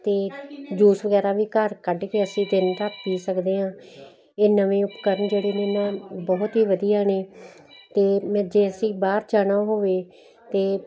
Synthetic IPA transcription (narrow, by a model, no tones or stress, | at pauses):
t̪eːd͡ʒuːsʋəɡɛːɾaːʋiːkəɾkəɖkeəsĩːd͡ʒɪnt̪aːpiːsəkd̪eːɦãː | eːnəʋẽːʊpkəɾənd͡ʒeːɽeːnẽːnãːbɔːt̪ɦiːʋəd̪iːaːneː | t̪eːmɛ̃ːd͡ʒeːəsĩːbaːɾt͡ʃaːnãːɦoːʋeː | t̪eː